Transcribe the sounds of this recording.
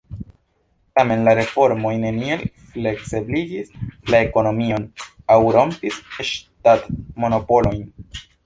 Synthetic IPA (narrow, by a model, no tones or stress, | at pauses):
tame̞nlaɾe̞fo̞ɾmo̞jne̞niel | fle̞kseblid͡ʒislae̞ko̞no̞mio̞n | awɾo̞mpiseʃtatmo̞no̞po̞lo̞jn